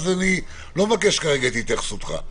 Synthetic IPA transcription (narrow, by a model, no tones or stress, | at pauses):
zani | lo̞makeʃkaʁeɡat̪it̪jaχe̥sot̪χa̰